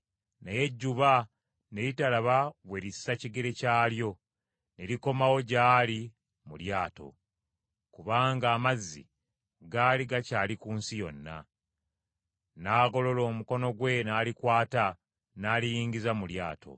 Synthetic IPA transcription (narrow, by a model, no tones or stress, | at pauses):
neje̞ɟːuβa | ne̞jitalaβaβweɾisaciɡe̞ɾe̞caːljo̞ | ne̞ɾiko̞mawo̞ɟaːli | muljaːto̞̰ | kuβaːŋɡaːmazːḭ | ɡaːliɡacaːlikuːnsijo̞̰nːa̰ | naːɡo̞lo̞lo̞ːmuko̞no̞ɡwe̞naːlikwaːta | naːlijiːŋɟizamulja̰ːto̞̰